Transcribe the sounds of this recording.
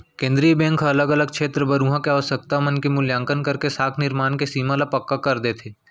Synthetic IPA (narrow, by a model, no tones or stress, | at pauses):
kẽːnd̪ɾijəbɛ̃ːŋkɦɐləɡɐləɡ̚kʃʰeːt̪ɾəbɐɾũːɦãkeaɔːsək̚t̪amənkemʊljãːŋkənkɐɾkesaːkʰnɪɾmaːnkesiːmãlapɐkːakɐɾd̪eːt̪ʰeː